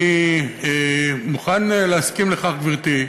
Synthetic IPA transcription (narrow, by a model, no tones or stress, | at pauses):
iemuχanleaskimleχaχviʁt̪i